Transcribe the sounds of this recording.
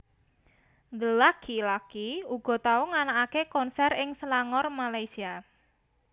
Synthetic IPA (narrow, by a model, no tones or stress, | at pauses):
ŋdəlakilakiuɡ̥ɔ̤t̪auŋanaakekɔnsɛrɪŋsəlaŋɔrmalajsia